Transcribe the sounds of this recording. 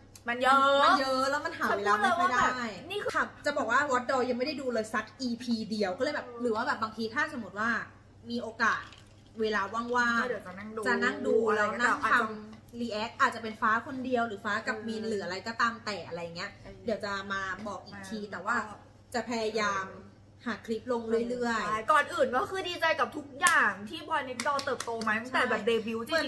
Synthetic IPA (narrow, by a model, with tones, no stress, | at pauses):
ma˧njma˧˨jɤː˦˥ʔlɛː˦˥wma˨nɦaː˨˩˦weː˧laː˧˥˧ma˥˧a˥˧˩daː˥˩˥jniː˥˩kʰa˧˩p̚t͡ɕa˨˩bɔː˨˩k̚waː˥˩wɔ˦˥t̪̚dɔː˧ja˧ŋma˥˩jda˥˩jduː˧lɤː˧jsa˨˦˥k̚ʔiː˧pʰiː˧di˧əwkʰɔ˥˩lɤ˧˨jbɛː˨˩pɾɯː˩˦waː˥˩bɛː˨˩baː˧ŋt̪ʰiː˧t̪ʰaː˥˩sʰa˨˧mo˨˦t̪̚waː˥˩ | miː˧ʔoː˧kaː˨˩t̪̚ | weː˧laː˧wa˥˩ŋwaː˧˥˩di˨˦t͡ɕa˨na˥˩ŋdt͡ɕa˨˩na˥˩ŋduː˧lɛː˦˧˥na˥˦˥ŋʰ˧a˧mliː˧ʔɛ˦˥k̚ʔaː˨˩t̪̚t͡ɕa˨˩pe˧nfaː˦˥kʰo˧ndi˧əwɾɯː˩˦faː˦˥ka˨˩p̚miː˧nlɯː˩˦ʔa˧ɾa˧jkɔ˧˩t̪aː˧mt̪ɛː˨˩ʔa˧ɾa˧jːŋːi˦˥ɐdi˩˦əwt͡ɕa˨˩maː˧bɔː˨˩k̚ʔiː˨˩k̪ʰiː˧t̪ɛː˨˩waː˥˩ | t͡ɕa˨˩pʰɛː˧ja˧jaː˧m | haː˩˦kʰli˦˥p̚lo˧ŋɾɯ˥˩əjlɯ˥˩əjkɔː˨˩nʔɯː˨˩nkɔ˥˩kʰɯː˧˩diː˧t͡ɕa˧jka˨˩p̚t̪ʰu˦˥k̚jaː˨˩ŋt̪ʰiː˥˩bʰɔ˧jne˦˥t̪̚dɔː˧t̪ɤː˨˩p̚t̪oː˧ma˦˥j̪a˥t͡ɕ̪ʰɛː˨˩bɛː˨˩p̚deː˧bi˨˦˥wt͡ɕɯ˥